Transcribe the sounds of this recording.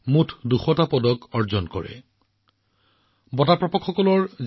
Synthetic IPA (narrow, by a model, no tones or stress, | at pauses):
mutʰduxɔtapɔdɔkɔɹzɔnkɔ̰ɹɛ̰ | bɔtapɹɔpɔkxɔkɔlɔɹz